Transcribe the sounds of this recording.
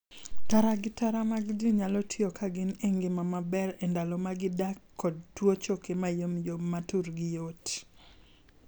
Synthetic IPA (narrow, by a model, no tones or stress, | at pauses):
taɾaɡɪtaɾamaɡdiɲalɔtʰjokʰaɡɪneŋɡɪmamabɛɾɛndalɔmaɡɪdakʰːɔd̚twot͡ʃokemajomjomatuɾɡɪjot